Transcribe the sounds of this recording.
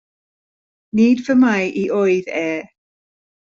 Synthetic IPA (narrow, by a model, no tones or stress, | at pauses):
niːdvəmajʔiʔoɨðɛː